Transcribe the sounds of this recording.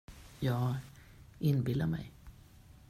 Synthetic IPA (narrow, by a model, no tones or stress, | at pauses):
jɑːɡ | ʔɪnbɪlaɾmɛ̰j